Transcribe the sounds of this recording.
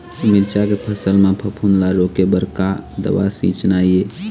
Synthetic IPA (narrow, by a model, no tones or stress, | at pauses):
milt͡ʃakepʰəsəlmepʰəpʰunlaɾokebəɾkad̪ə̰wa̰sḭ̃t͡ʃnaje